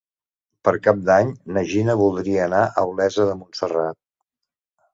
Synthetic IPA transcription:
pəɾkap̚d̪aɲnəʒinəβulˠd̪ɾiəːnaʔəwlɛzəðəmunsərat̪̚

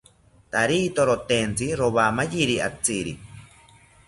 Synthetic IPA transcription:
t̪aɾit̪oɾot̪ent͡siɾoβamajiɾia̰t͡siɾḭ

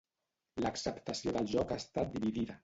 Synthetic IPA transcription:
ləksəpt̪əsioðəlˠʒɔkast̪at̪̚d̪iβiðiðə

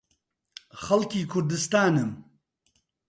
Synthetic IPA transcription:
xɐlkiːkʰʊɾd̪ɨst̪aːnɨm

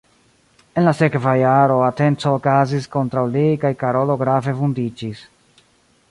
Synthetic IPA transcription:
e̞nlase̞kvajaɾo̞ate̞nt͡soːkazisko̞ntɾawlikajkaɾo̞lo̞ɡɾave̞fundid͡ʒis

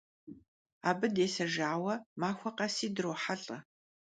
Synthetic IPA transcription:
aːbɨdeːsɐʒaːwɐmaːxʷɐqɐsiːdɨroːħaɬʼɐ

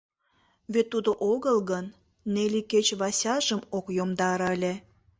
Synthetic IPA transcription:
βet̪ːud̪oʔoɣəlɣənː | eliket͡ɕβɑsʲɑʒəmokjomd̪ɑɾəlʲe

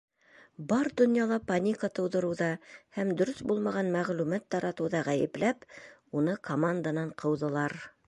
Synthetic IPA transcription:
bɑɾd̪ŏnjɑlˠɑpanʲikɑt̪ɤ̆wðɤ̆ɾɤ̆wðɑhæmd̪ɵ̆ɾɵsbulˠmɑʁɑnmæʁlʉmæt̪ːɑɾɑt̪ɤ̆wðɑʁæjɘ̰̆plæpunɤkʰomand̪anɑɴqʰɤ̆wðɤ̆lˠɑɾ

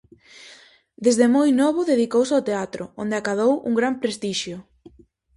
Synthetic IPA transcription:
d̪ezðemojnɔβʊðeð̞ikowsawt̪eat̪ɾʊ̰o̰nd̪eakaðowṵŋɡɾampɾest̪iʃjʊ

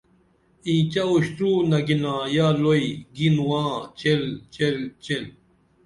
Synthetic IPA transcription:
ĩːt͡ɕɐoɕʈ̪uːnɐɡinãːjaːloiɡinwãːt͡ɕelt͡ɕelt͡ɕel

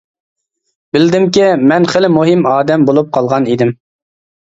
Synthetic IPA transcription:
b̥ɪld̪ɪmkʲimɛnχəlɪmuɦɪmɑːd̪ɛmbolˠup̚qʰɑlˠʁɑnid̪ɪm

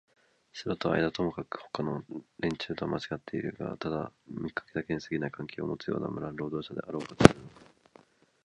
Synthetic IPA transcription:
soɾot̪o̞a̰id̪at̪o̞mokakɯ̟̥ho̞̥kano̞ɾẽ̞ɲ̟t͡ɕɨːt̪oamʔat͡ɕiɡat̪ːe̞iɾɯ̟ɡa̰t̪ad̪amikːḁke̞d̪ake̞ɲ̟isɨɡʲinaikãŋkʲe̞ːo̰mo̞t͡sɨjo̞̰ːna̰mɯɾaɾo̞ːd̪o̞ːɕad̪e̞̰ʔaɾo̞ːkot̪oaɾɯ̟noka

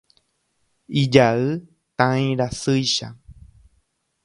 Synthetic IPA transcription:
id͡ʒaɨ | t̪ãĩɾasɨjʃa̰

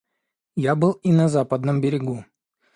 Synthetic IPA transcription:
jabɨlˠinɐzapəd̪nəmbʲɪɾʲɪɡu

